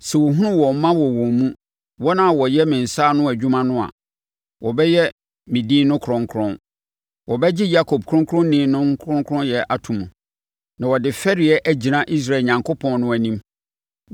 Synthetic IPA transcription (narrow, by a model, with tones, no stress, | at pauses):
sɛ˨wɔ˨ɦũ˦nʊ̃˦wɔ̃˨m˦mã˦wɔ˨wɔ̃˨mũ˦ | wɔ˦nã˦˨wɔ˨jɛ˦mɪ̃˨n̩˨saː˦nʊ̃˦æ˨d͡ʑᶣu˦mã˦nʊ̃˦a̰˨ | wɔ˨bɛ˦jɛ˦ | mɪ̃˨diː˦nʊ̃˦kʰɾɔ̃˦ŋkʰɾɔ̃˦n | wʔɔ˨bɛ˦d͡ʑɪ˦ja˦kʰo˨b̚kʰɾɔ̃˦ŋkʰɾɔ̃˦n˦nĩ˦nʊ̃˦ŋ˦kʰɾɔ̃˦ŋkʰɾɔ̃˦njɛ˨ʔa˨tʰũ˨mũ˨ | nã˨wɔ˨dɪ˨fɛ˦ɾɪ˨ɛ˦ʔæ˨d͡ʑi˨nã˦ʔi˦s̬ɾa˦˨e˨ɲã˨ŋkʰo˦pʰɔ̃˨n˦nʊ̃˦æ˨nĩ˦m